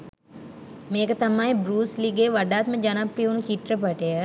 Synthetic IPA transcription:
meːkət̪ɐmãːẽbɾuːsliɡeːʋɐɖaːt̪mẽd͡ʒɐnapɾionũt͡ʃiʈɾəpɐʈea

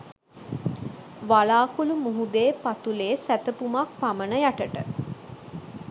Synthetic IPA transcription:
ʋalaːkulumuɦud̪eːpat̪uleːsæt̪əpumak̚pamənəjaʈəʈə

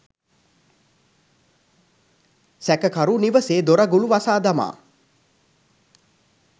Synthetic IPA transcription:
sækəkaɾuniʋəseːd̪oɾaɡuluʋasaːd̪ama̰ː

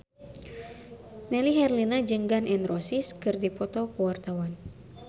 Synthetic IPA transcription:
mɛliɦɛrlinad͡ʒəŋɡanʔɛnrɔsiskɨrdipɔt̪ɔkuwart̪awan

